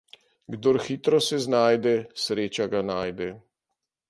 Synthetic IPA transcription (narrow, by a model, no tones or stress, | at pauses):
ɡd̪oɾxiːt̪ɾɔsɛznaːjd̪ɛsɾeːt͡ʃaɡanaːjd̪ɛ